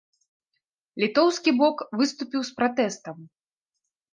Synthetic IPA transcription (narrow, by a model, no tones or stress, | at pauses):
lʲit̪ɔwskʲibɔkvɨst̪upʲiwspɾat̪ɛst̪ɐm